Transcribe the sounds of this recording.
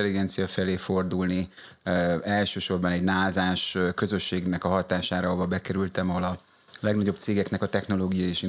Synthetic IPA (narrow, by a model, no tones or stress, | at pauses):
ɛliɡɛnt̪sijɒfɛleːfo̞rd̪ulni | ɛlʃøːʃo̞rbɒnɛɟnaːlzaːʃkø̞zø̞ʃːeːɡnɛkɒɦɒt̪aːʃaːɾɒɦovɒbɛkɛɾylt̪ɛmɒɦo̞lɒ | lɛɡnɒɟo̞p̚t̪seːɡɛknɛkɒt̪ɛxn̪o̞loːɡijɒjeːʃi